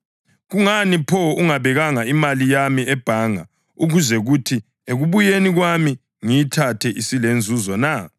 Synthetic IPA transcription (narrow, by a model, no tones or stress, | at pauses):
ɣuŋanipʰɔuŋaβɛɣaŋaimalijamiɛb̥ʱaŋa̰ | uɣuzɛɣutʰi | eɣuβujeniɣwami | ŋijitʰatʰɛʔisilend͡zʱuzɔna